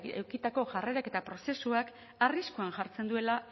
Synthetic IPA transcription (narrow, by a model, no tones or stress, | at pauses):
ewkit̪ako̞ʝare̞ɾake̞t̪apɾo̞se̞suak | ariskuanʝaɾt͡se̞nd̪ue̞la